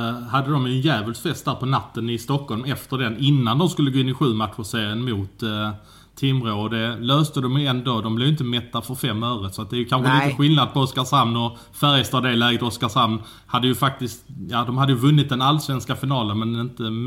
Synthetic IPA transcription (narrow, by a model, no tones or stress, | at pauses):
had̪ːəd̪ɔmjɵnjæːvəlsfɛst̪d̪æːɾpʰɔnat̪ːənɪst̪ɔkːɔlmɛft̪əɖɛnɪnːand̪ɔmskɵlːəɡoːɪnːɪɧʉ̟ːmat̪ːɧʊseːɾɪənmʊt̪ʰː | ɪmɾoːɔd̪ɛløːst̪əd̪ɔmjɵɛnd̪oːd̪ɔmblɛvjʏɪnt̪əmɛt̪ːafœɾfɛmːøːvɾət̪sɔat̪̚d̪ɛæjɵkʰanɧəliːt̪əɧɪlnad̪̚pʰɔɔskaʂamnɔ | fæɾɛst̪ɑd̪ɛlæːɡət̪ɔskaʂamn | had̪ːəjɵfak̚t̪ɪst̪jɑːd̪ɔmhad̪ːəjɵvɵnːɪt̪̚d̪ɛnalːsvɛnskafɪnɑːlənmɛnɪnt̪ə